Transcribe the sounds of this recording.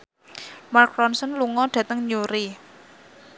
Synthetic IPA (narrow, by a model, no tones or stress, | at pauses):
markɾɔnsənluŋɔɖ̥ä̤t̪əŋɲuɾi